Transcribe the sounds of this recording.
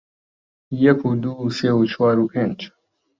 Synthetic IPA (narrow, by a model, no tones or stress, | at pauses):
jɛkʰud̪useut͡ʃwaːɾupʰẽnt͡ʃ